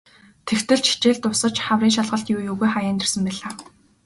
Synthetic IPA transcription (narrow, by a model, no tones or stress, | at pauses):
t̪ʰext̪ɘ̆ɮt͡ɕʃi̥t͡ɕeːɮt̪ʊsə̆t͡ɕχawriːnŋʃaɮʁə̆ɬt̪juːjoɣujχajaːnt̪ɪ̆rsə̆mpæːɮaː